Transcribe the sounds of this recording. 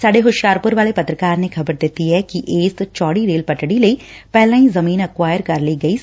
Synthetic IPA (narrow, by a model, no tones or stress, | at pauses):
saːɖeɦʊʃjaːɾpʊɾʋaːlepɐt̪ɾəkaːɾneːkʰɐbəɾd̪ɪt̪ːiɦɛːkiʔeːst͡ʃɔːɽiɾeːlpəʈɽiləiːpɛːlãːĩzəmiːnəkwaːjəɾkɐɾləiːɡəiː